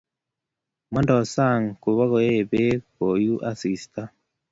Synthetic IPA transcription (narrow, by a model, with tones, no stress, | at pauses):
mwa˦ndɔ˨sa˦˨ŋku˨βa˦ɣɔ˨e˦βe˦ko˨ju˦ʔa˦˨si˨sta˦